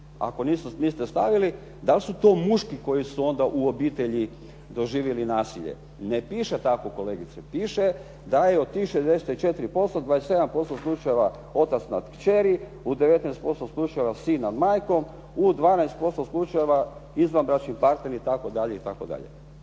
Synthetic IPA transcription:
a̰ko̞niːsoniːst̪est̪aʋili | d̪alsut̪o̞ːmuʃkiko̞jisuo̞nd̪aʔuobiːt̪eʎi | d̪o̞ʒiːʋjelinaːsiʎḛ | nepiːʃet̪akoko̞leːɡit̪sepiːʃe | d̪ajeot̪ːixʃezd̪e̞set̪it͡ʃe̞t̪ɾipo̞st̪od̪ʋaːesee̞d̪ampo̞st̪oslˠut͡ʃajeʋa | o̞t̪at̪snad̪kt͡ʃeɾi | ud̪eʋe̞t̪najst̪po̞st̪oslˠut͡ʃajeʋasinːad̪maːjko̞m | ud̪ʋaːnajst̪̚po̞st̪oslˠut͡ʃajeʋaizʋanbɾat͡ʃnimpaɾt̪ne̞ɾit̪ako̞d̪aʎeit̪akod̪a̰ʎḛ

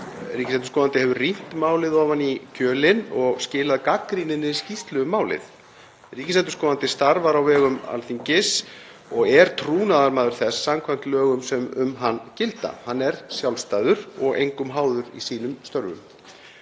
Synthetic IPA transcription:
riːcɪsɛnt̪ʏ̥skɔːðant̪ɪhɛvʏrin̥t̪maːwlɪðɔvanːicʰœːlɪnɔɣscɪːlaðkakɾinɪnːɪscist̪lœɣʏmːaːwlɪ̰ð | riːcɪsɛnt̪ʏ̥ɾskɔːðant̪ɪst̪aɾvaɾawvɛːɣʏma̰lθiɲcɪs | ɔɣɛɾ̥t̪ʰɾuːnaðaɾmaːðʏɾ̥θɛsːamkʰvajm̥t̪lœːɣʏmsɛmʏ̰mɦanːcɪlt̪a̰hanːɛɾsjawlst̪ajðʏɾɔɣḛjŋkʏmɦaːwðʏɾḭsiːnʏmst̪œɾvʏ̰m

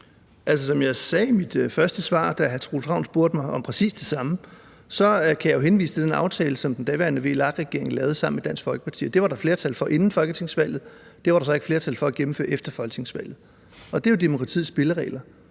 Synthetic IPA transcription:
ʔæls̬əsɒ̽mjɑ̈ɪsɛːimid̥fɶɐsd̥əsʋɑ̰̈ːd̥æɦæt͡sʰʁoːlt͡sʰʁɑ̈ʊ̰n̩sb̥oɐ̰d̥mɑ̈ɪʔɒ̽mpʰʁɛsḭːsd̥e̝sɑ̈mə | sɒ̽kʰæjɑ̈jo̝ɦenʋḭːsə̥t͡sʰe̝d̥enɑ̈ʊt͡sʰɛːləsɒ̽md̥end̥ɛʋæɐnəʋe̝̰lɑ̈ɡ̥ʁɛɡ̥e̝ɐ̰e̝ŋ̩lɛːʊð̩ˠsɑ̈m̰n̩med̥æn̰sɡ̥fɒ̽lɡ̥ə̥pʰɑ̈t͡sʰḭːd̥e̝ʋɑ̈ɾ̥ɑ̈fle̝ːɐt͡sʰælfɒ̽ʔe̝nn̩fɒ̽lɡ̥ət͡sʰe̝ŋsʋæl̰ð̩ˠd̥e̝ʋɑ̈ɾ̥ɑ̈sɒ̽e̝ɡ̥fle̝ɐt͡sʰælfɒ̽æɡ̥em̩fø̰ɐefd̥ɐfɒlɡ̥ət͡sʰe̝ŋsʋæl̰ð̩ˠ | ɒ̽d̥e̝jod̥emo̝kʰʁɑ̈t͡sʰḭðˠsb̥e̝ləʁɛ̰ːlɐ

